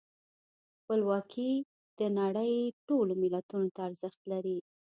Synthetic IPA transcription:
xpəlwɑkʰi | d̪̥ənaɽəjʈolomɪlat̪unot̪aːɾzəxt̪laɾi

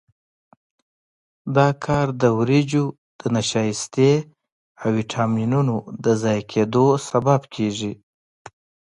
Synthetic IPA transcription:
d̪ɑkʰɑɾd̪əwɾid͡ʒo | d̪̥ənaʃɑjist̪e | awiʈʰɑminunod̪əzɑjkʰed̪osababkʰeʒi

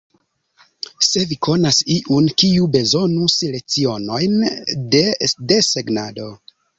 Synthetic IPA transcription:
se̞vikʰo̞nasiʔunkiube̞zo̞nusilek̚t͡sio̞no̞jndede̞se̞ɡnado̞

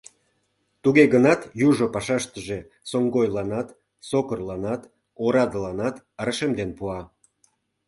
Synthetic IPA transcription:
t̪uɣeɣənɑt̪juʒopɑʃɑʃt̪əʒe | soŋɡojlɑnɑt̪ | sokərlɑnɑt̪ | oɾɑd̪əlɑnɑt̪ | əɾəʃemd̪enpuɑ

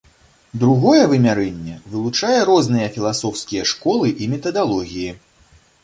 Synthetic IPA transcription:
d̪ɾuɣɔjɛvɨmʲaɾɛnʲːɛvɨlˠut͡ʂajɛɾɔznɨjɐfʲilˠasɔwskʲijɐʂkɔlˠɨʔimʲɛt̪ɐd̪alˠɔɣʲiji

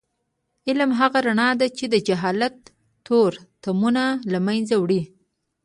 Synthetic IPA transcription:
ɪlmɦaɣaɾaɳɑd̪at͡ʃed̪əd͡ʒaɦɑlat̪ː | oɾt̪amunalamajnzawɽi

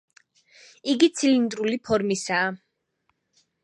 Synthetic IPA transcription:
iɡit̪sʰilind̪ɾulipʰɔɾmisaː

